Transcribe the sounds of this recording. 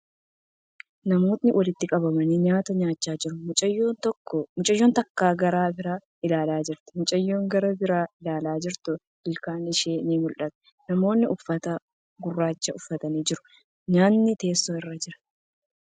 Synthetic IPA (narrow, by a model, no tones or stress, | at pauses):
nɐmo̞ːt̪nɪwʔɐlɪt̪ːɪkʼɐbɐmɐniːɲaːt̪ɐɲaːt͡ʃːaːd͡ʒɪɾʊmʊt͡ʃʼɐjːoːnt̪ɔkːɔmʊt͡ʃʼɐjːo̞ːnt̪ɐkːaːɡɐɾaːbɪɾaː | ɪlaːlaːd͡ʒɪɾt̪ɛ̥mʊt͡ʃʼɐjːo̞ːŋɡɐɾɐbɪɾaːɪlaːlaːd͡ʒɪɾt̪ʊ | b̥ɪlkaːnɪʃeːniːmʊlʔɐt̪ɛ̥ | nɐmo̞ːnːɪʔʊfːɐt̪ɐ | ɡʊrːaːt͡ʃːɐʊfːɐt̪ɐniːd͡ʒɪɾʊ̥ | ɲaːnːɪt̪e̞ːsːoːɪrːɐd͡ʒɪɾɐ̥